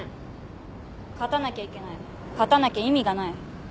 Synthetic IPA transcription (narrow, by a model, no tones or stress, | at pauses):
kat̪anakʲaikʲe̞nai | kat̪anakʲaimʲiɡanai